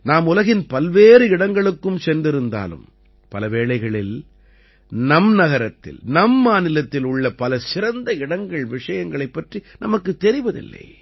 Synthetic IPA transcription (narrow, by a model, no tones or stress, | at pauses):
naːmʊlɐɣɪnpɐlʋeːɾɯɪɽɐŋɡɐɭɯkːɯmsɛndrɪɾɯnd̪a̰ːlɯ̰m | pɐlɐʋeːɭɐɪɣɐɭɪl | nɐmnɐɣɐɾɐt̪ːɪ̰lnɐmːaːnɪlɐt̪ːɪlʊɭːɐpɐlɐsɪɾɐnd̪ɐɪɽɐŋɡɐɭʋɪʂɐjɐŋɡɐɭɐɪpːɐʈrinʔɐmɐkːɯt̪ːɛɾɪʋɐðɪ̰lːɐ̰ɪ